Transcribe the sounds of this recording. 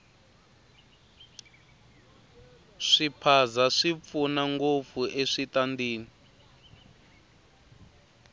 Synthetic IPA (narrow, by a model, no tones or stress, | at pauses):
ʂipʰazaʂip̪funaŋɡop̪fuʔeʂitandiːni